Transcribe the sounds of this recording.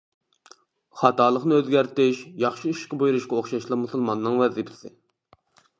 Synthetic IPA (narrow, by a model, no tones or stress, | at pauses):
χɑt̪ɑːlˠəχnɨøzɡʲæɾt̪ɪʃjɑχʃiiʃʃqɑbujuɾuʃkɑoχʃɑʃlˠɑmusɨlˠmɑnːɨŋvæzɪpʰɪ̥sɪ